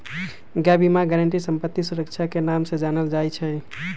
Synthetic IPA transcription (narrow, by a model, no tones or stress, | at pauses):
ɡabimaɡɛɾəɳʈisəmpət̪ːisuɾəkt͡ʃʰakenamsẽd͡ʒanəld͡ʒajt͡ʃʰɛ